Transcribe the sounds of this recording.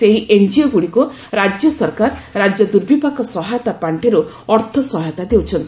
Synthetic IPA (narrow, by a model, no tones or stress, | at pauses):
eɦiʔeɲd͡ʒioɡuɽiku | ɾad͡ʒjɔsɔɾkaɾɾad͡ʒjɔd̪uɾbipakɔsɔɦajɔt̪apaɳʈʰeɾu | ɔɾt̪ʰɔsɔɦajɔt̪ad̪ewt͡ʃʰɔnt̪i̥